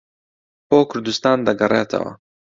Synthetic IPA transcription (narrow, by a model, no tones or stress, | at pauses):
boːkʰʊɾd̪ust̪ɑːnd̪ɐɡɐreːt̪ʰɐ̰wɐ̰